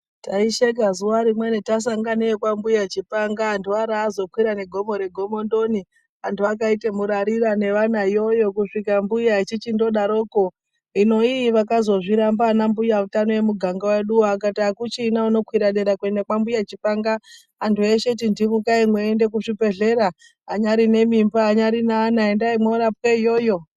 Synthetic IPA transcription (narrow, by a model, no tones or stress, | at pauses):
taiʃeɡʱazuwaɾimwenetas̬aŋɡanekwambujat͡ʃipaŋɡaːntʰuaɾaːzo̞kwiɾane̞ɡʱo̞mo̞ɾe̞ɡʱo̞mo̞ndo̞ni | antʰuakaitemuɾaɾirane̞ʋanaijo̞jo̞kuʂikambujait͡ʃit͡ʃindo̞ɗaɾo̞ːko̞ | ino̞iːʋakazo̞ʐiɾambaːnambujautano̞je̞muɡʱaŋɡaweɗuakataːkut͡ʃiːnauno̞kwiɾaɗeɾakue̞ndakwambujat͡ʃipaŋɡaː | ntʰue̞ʃe̞tindimukaimweːnde̞k̬uʐipe̞ɮe̞ɾaː | ɲaɾine̞mimbaːɲaɾinaːnaendaimwoɾap̚weijo̞jo̞